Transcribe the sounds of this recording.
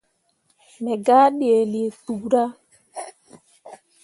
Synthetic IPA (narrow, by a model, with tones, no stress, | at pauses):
mɛ˨ɡa˦ɗi˦e˨li˨e˨tu˨ɾa˦